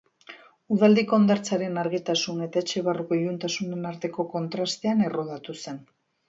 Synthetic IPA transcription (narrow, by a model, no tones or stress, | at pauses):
uð̞ald̪iko̞ːnd̪aɾt͡saɾe̞naɾɣit̪asune̞t̪ae̞t͡ʃe̞βaruko̞ijunt̪asune̞naɾt̪e̞ko̞ko̞nt̪ɾast̪e̞ane̞ro̞ð̞at̪use̞n